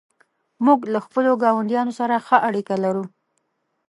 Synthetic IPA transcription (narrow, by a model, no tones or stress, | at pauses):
muɡlaxpəloɡɑwand̪jɑnosaɾaxəʔaɽikalaɾu